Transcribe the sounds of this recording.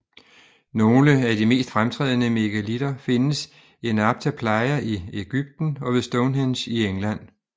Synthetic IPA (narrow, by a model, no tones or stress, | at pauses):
no̝ːləæd̥ime̝̰ːsd̥fʁamt͡sʰʁɛ̰ːð̞̰ˠnəme̝ɡ̥ælid̥ɐfe̝nəs | e̝nɑ̈b̥̚t͡sʰæpʰlɑ̈ɪɐʔieɡ̥yb̥̚d̥n̩ɒ̽ʋesd̥ɔʊnɦenɕieŋlæn̰